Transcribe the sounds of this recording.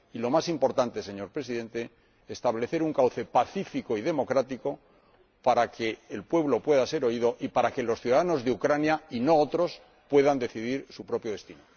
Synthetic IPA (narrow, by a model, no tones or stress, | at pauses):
ilo̞masimpo̞ɾt̪ant̪e̞se̞ɲo̞ɾpɾesiðe̞nt̪e̞ː | st̪aβle̞θe̞ɾuŋkawθe̞paθifikoið̞e̞mo̞kɾat̪iko̞ | paɾake̞ːlpwe̞βlo̞pwe̞ðase̞ɾo̞iðo̞ʔipaɾake̞lo̞sθjuðaðano̞zðeukɾanjaino̞ot̪ɾo̞s | pwe̞ðand̪e̞θiðiɾsupɾo̞pjo̞ðe̞st̪ino